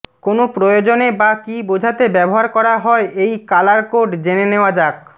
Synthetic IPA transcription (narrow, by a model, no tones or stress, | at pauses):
konopɾojod͡ʑonebakibod͡ʑʱat̪ebɛboɦaɾkɔɾaɦɔeʔejkalaɾkoʈd͡ʑeneneoad͡ʑak